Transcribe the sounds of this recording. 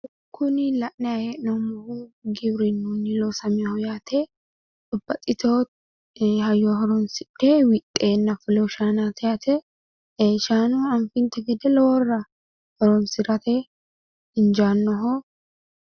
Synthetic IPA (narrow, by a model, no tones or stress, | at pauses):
kʰːʊnɪlɐʔnɛɐjeːnɔmɔhuɡɪbɾɪnːunːɪlosɐmihɔjaːt̪ʰeː | t̪ʼʊbːɐt̪ʼɪt̪oː | hɐjːoːɦɔɾɔnsɪᶑeːwɪt̪ʼːeːnːɐfʊlɛʃaːnaːt̪ʰɐat̪ʰɛ | eːʃaːnuːɐnfɪnt̪ɛɡɛd̪ɛlɔwɔrːɐ | hɔɾɔnsɪɾɐt̪e | ɪnd͡ʒaːnːɔɦo